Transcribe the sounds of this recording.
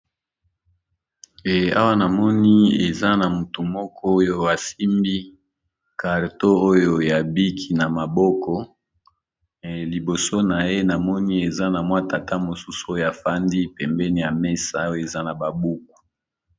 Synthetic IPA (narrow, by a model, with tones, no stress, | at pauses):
a˦wa˦na˨mɔ˦ni˦e˨za˦na˨mu˨tu˨mɔ˦kʰɔ˦o˦jo˦a˨si˦mbi˦ | ka˨ʁto˦o˦jo˨ja˨bi˦kʰi˨na˨ma˨bɔ˦kɔ˦˨ | li˨bo˨so˦na˨je˦na˨mɔ˦ni˦e˨za˦na˨mwa˦ta˨tʰa˦mo˨su˦su̥˨o˦jo˨ja˨fa˦ndi˦pɛ˨mbɛ˦ni˨ja˨me˦sa˦o˦jo˦˨e˨za˦na˨ba˨bu˦k̚u̥˨